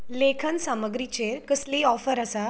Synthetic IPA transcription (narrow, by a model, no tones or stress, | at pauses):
lekʰənsaməɡɾit͡ɕeɾkəsliːɔfəɾəsa